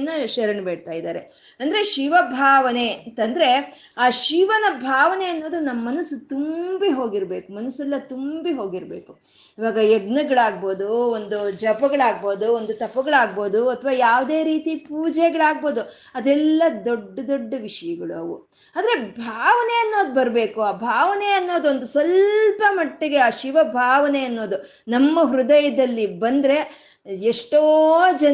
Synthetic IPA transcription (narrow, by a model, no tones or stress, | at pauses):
nːɐʃɐɾɐɳbeːɽt̪aːjid̪a̰ːɾe̞ | ɐnd̪ɐɾeʃiʋɐbʱaːʋɐne̞nt̪ɐnd̪ɐɾe̞ | aːʃiʋɐnɐbʱaːʋɐneɐnːo̞ːd̪unɐmːɐːɐnɐsut̪umbiɦo̞ːɡiɾbe̞ːkumɐnɐsɛlːɐt̪umbiɦo̞ːɡiɾbe̞ːku | iʋaːɡɐjeɡnɐɡɐɭaːɡ̚bo̞ːd̪uond̪ud͡ʒɐbɐɡɐɭaːɡ̚bo̞ːd̪uond̪ut̪ɐpːɐɡɐɭaːɡ̚bo̞ːd̪uɐt̪ʰːɐʋaːjaːʋd̪e̞ːɾiːt̪ipuːd͡ʒɛɡɐɭaːɡ̚bo̞ːd̪u | ɐd̪ɛlːɐd̪oɖːɐd̪oɖːɐʋiʂɐjɐɡɐɭuɐʋu | ɐːd̪ɐɾe̞bʱaːʋɐneɐnːoːd̪ubɐɾbe̞ːkuaːbʱaːʋɐneɐnːo̞ːd̪uond̪usʋɐlpɐmɐʈːeɡe̞aʃiʋɐbʱaːʋɐneɐnːo̞ːd̪u | nɐmːɐɦɾud̪ɐjɐd̪ɐlːibɐnd̪ɐɾe̞ | eʂʈoːd͡ʒɐ